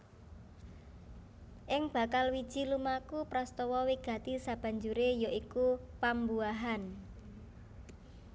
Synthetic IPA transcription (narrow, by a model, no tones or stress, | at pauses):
ʔɪŋb̥a̤kalwid̥ʒ̥i̤lumakupɾɔst̪ɔwɔwiɡ̥ä̤t̪isab̥ä̤ɲd͡ʒuɾejɔikupambuaɦan